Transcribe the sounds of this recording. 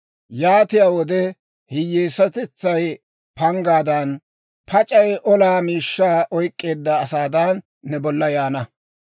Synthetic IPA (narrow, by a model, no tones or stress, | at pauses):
jaːt̪ɪjaːwɔd̪ɛ | hɪjːeːsɐt̪ɪt͡sːɐj | pɐŋɡaːd̪ɐn | pʰɐt͡ʃʼɐjʔɔlaːmiːʃːaːʔɔjkʼːe̞ːd̪ːɐːsaːd̪ɐnː | ɛbɔlːɐjaːnɐ